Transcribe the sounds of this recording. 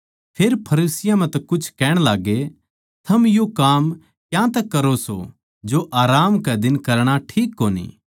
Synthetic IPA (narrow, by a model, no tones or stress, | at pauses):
pʰeːɾpʰɐɾiːsɪjãmɛ̃t̪ɛkʊt͡ʃʰkɛːɽ̃laːɡe | t̪ʰɐmjokaːm | kjãt̪ɛkːɐɾoso̰ | d͡ʒoʔaːɾaːmkɛd̪ɪnkɐɾɽ̃aʈʰiːkːoːnḭː